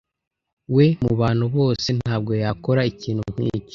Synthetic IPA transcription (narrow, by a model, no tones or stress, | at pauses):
we̞muβaːn̥huβo̞ːse̞n̥aːb̚ɡo̞jako̞ɾaiciːnhum̥hḭːci̥